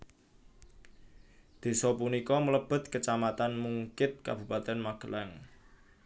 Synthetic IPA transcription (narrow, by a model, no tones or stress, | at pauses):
d̪̥e̤sɔpunikɔmələb̥ə̤t̪̚kət͡ʃamat̪anmuŋkɪt̪̚ka̰b̥ṳpat̪ɛnmaɡ̥ə̤lʔaŋ